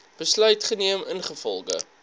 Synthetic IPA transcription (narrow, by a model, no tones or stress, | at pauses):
b̥əslœɥtχəniəmənχəfɔ̰lˠɡə̰